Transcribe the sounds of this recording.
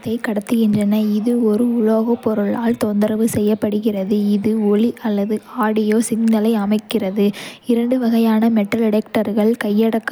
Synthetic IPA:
t̪ːɐɪkɐɽɐt̪ːɯɣɪndrɐnɐɪðɯɔɾɯʊɭoːɣɐpːɔɾɯɭaːlt̪ɔnd̪ɐɾɐʋɯsɛjːɐpːɐɽɯɣɪrɐðɯɪðɯɔɭiʔɐlːɐðɯaːɽɪjoːsɪŋnɐlɐɪɐmɐɪkːɪrɐðɯɪɾɐɳɖɯʋɐɣɐjaːnɐmɛʈːɐlɛɽɛkʈɐɾɣɐɭkɐjːɐɽɐkː

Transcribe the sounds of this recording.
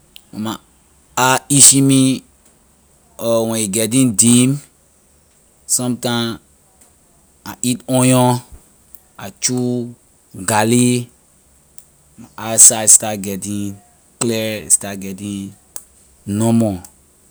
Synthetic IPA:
wɛ̃ma | aiʃimi | ɔwɛ̃iɡɛt̬ĩndĩm | sɔ̃mtãm | aʔitɔ̃jɔ̃ | at͡ʃu | ɡali | maʔasastat̚ɡɛtĩŋ | klɛḭstatɡɛtĩŋ | nɔmɔ

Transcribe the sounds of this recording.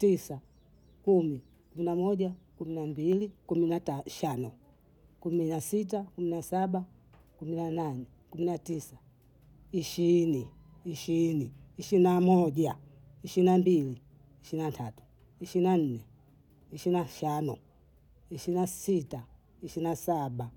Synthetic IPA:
tisa | kumi | kuminamɔʄakuminambilikuminaaʃanɔ | kuminasit̬akuminasaɓa | kuminananɛ | kuminatisa | iʃiɾini | iʃiɾiniiʃinamɔʄa | iʃiinambiliː | ʃiɾinatʰatu̥ | iʃinan̩nɛ | iʃiinaʃanɔ | iʃiinasita | iʃiɾinasaɓa

